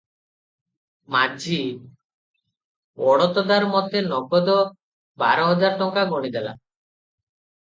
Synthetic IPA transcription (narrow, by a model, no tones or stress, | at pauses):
mad͡ʒʱi | ɔɽɔt̪ɔd̪aɾmɔd̪ʱenɔɡɔd̪ɔ | ba̰ɾɔɦɔd͡ʒaɾʈ̪ɔŋkaɡɔɽ̃id̪ela̰